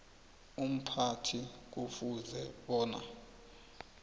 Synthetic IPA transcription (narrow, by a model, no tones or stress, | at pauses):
um̩pʰatʰik̬ufuzɛɓɔːna̰